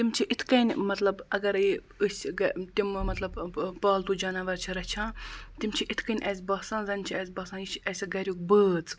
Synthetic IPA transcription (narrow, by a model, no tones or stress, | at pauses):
t̪imt͡ʃʰiʔit̪ʰkɐnʲmɐt̪lɐbɐɡɐɾi | ɨsʲɡt̪immɐt̪lɐbpaːlt̪ud͡ʒɐnɐʋɐɾt͡ʃʰiɾɐt͡ʃʰãːt̪imt͡ʃʰiʔit̪ʰkɐnʲʔɐs̬ʲbɐːsãːnzɐnʲt͡ʃʰiɐs̬ʲbɐːsãːjit͡ʃʰɐsʲɡɐɾʲuk̚bəːt͡s